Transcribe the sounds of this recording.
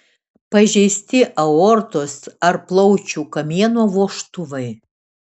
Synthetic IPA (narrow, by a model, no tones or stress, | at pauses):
pɐʒʲɛɪsʲt̪ʲɪʔɐɔɾt̪osɐɾplˠɔʊt͡ʃʲuːkɐmʲiɛnoːʋoːʃt̪ʊʋɐɪ